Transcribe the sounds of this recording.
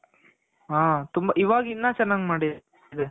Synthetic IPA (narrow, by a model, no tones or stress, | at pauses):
ɦaːt̪umbaʔiʋaːɡinːaːt͡ʃɐnːaːɡmaːɽid̪ | d̪e